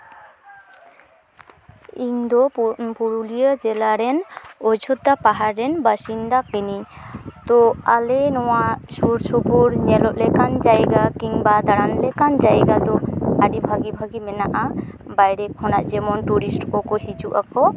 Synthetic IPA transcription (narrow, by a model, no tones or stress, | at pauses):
iŋd̪ɔpuɾulijəd͡ʒɛlaɾɛnɔd͡ʒʱɔt̪ːapaɦaːɛnbasind̪akinit̪ɔalenɔwasuɾsupuɾɲɛlɔʔlɛkand͡ʒajɡakiŋbad̪aɽanlɛkand͡ʒajɡat̪ɔaɖibʱaɡibʱaɡimɛnaʔa | bajɾɛkʰːɔnaʔd͡ʒɛmɔnʈuɾisʈkɔkɔsit͡ʃuʔakɔ